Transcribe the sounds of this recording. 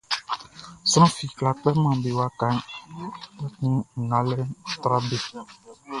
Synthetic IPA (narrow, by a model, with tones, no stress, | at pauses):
sɔ˦ɔ̃˦fi˨kla˨k͡pɛ˦mã˨be˨wa˦ka˨˦n | tɛ˦kũ˦ŋ̩˨ŋa˨˦lɛ˦˨tɾa˦be˦˨